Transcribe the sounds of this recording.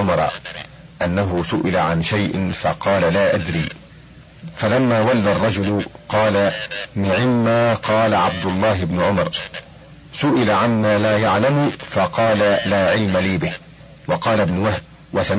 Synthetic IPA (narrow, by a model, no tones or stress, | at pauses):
ʊmɑɾ̰ˤ | ʔanːaɦʊsʊʔɪlaʕanʃajʔɪ̰nfɑqɑːlalaːʔad̪ɾiː | falamːaːwalːarˤːɑd͡ʒʊlʊqɑːlanɪʕɪmːaːqɑːlaʕab̚d̪ʊlˤːɑːɦɪbnʊʕʊmɑɾˤ | sʊʔɪlaʕanmaːlaːjaʕlamʊfɑqɑːlalaːʕɪlmaliːbɪh | wɑqɑːlabnʊwahd̚ | wasa